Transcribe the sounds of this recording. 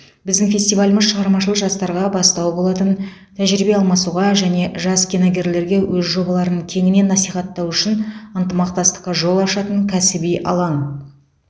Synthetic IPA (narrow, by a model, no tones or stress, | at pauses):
bɪzd̪ɪŋfʲe̞st̪ijvalʲɪməzʃəʁɑɾmɑʃəlˠəʒɑst̪ɑɾʁɑbɑst̪ɑwbo̞lˠɑt̪ənt̪ʰæʒɾibe̞ɑlˠmɑsuʁɑʒæne̞ʒɑskʲʰinɑɡʲe̞ɾle̞ɾɡʲe̞wɵzʒo̞bɑlˠɑɾənəɴkʲʰe̞ŋɪne̞nːɑsijχɑt̪ːɑwʏʃɪnənt̪əmɑq̚t̪ɑst̪ə̥qːɑʒo̞lˠɑʃɑt̪əŋkʲʰæsɪbijʔɑ̰lˠɑn